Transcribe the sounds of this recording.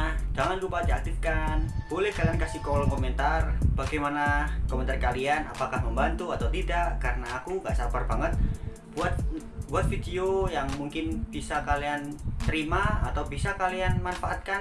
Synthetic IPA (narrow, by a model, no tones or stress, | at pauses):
ahd͡ʒaŋanlupad̪iak̚t̪ɪfkanb̥olɛhkaliankasikolɔŋkomɛnt̪arb̥aɡajmanakomɛnt̪arkaliana̰pakahməmbant̪uat̪awt̪idaʔkarənaːkuŋɡaʔsapərbaŋət̪̚ | buat̪̚buat̪̚fidiojaŋmuŋkɪnb̥isakaliant̪əɾimaːt̪awbisakalianmanfaʔat̪̚kan